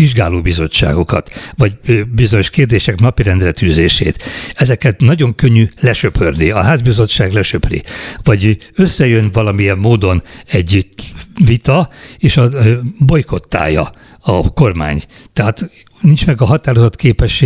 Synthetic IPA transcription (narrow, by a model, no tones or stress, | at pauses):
iʒɡa̰ːloːbizo̞t͡ʃːa̰ːɡo̞kɒ̰t̪vɒɟbizo̞ɲo̞ʃkeːrd̪eːʃɛknɒpiɾɛnd̪rɛt̪yːzeːʃḛːt̪ɛzɛkɛt̪nɒɟo̞ŋkøɲːylɛʃøpʰørniɒɦaːzbizo̞t͡ʃːaːɡlɛʃøprḭvɒɟ | ø̞sːɛjø̞nvɒlɒmijɛmːoːd̪o̞nɛɟ | vit̪ɒeːʃɒbo̞jko̞t̪ːa̰ːjɒ̰ | ɒko̞rma̰ːɲ | t̪ɛɦaːt̪ | nint͡ʃmɛɡɒɦɒt̪aːɾo̞zot̪keːpɛʃe